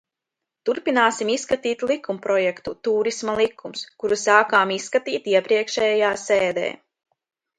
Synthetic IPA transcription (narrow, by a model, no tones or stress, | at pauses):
t̪uɾpinaːsimisːkat̪iːt̪lˠikumpɾɔjɛkt̪ut̪uːɾismalˠikʰːumskuɾusaːkaːmisːkat̪iːt̪iɛpɾiɛkʃɛjjaːseːd̪ḛː